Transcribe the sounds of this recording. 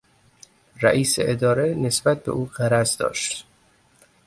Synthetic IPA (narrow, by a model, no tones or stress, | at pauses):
ræ̰ʔiːsḛʔed̪ɒːɾenesbæt̪̚be̞̰ʔuːɢæɾæzd̪ɒ̰ːʃt̪